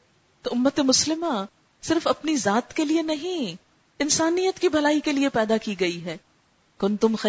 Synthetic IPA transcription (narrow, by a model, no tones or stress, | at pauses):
t̪oʊmːət̪emʊslɪmã | sɪɾfɐpnizaːt̪kelienɐɦĩ | ɪnsaːnijət̪kibʱɐlaːikeliepɛːd̪akiɡɐiɦɛː | kʊnt̪ʊmxɐ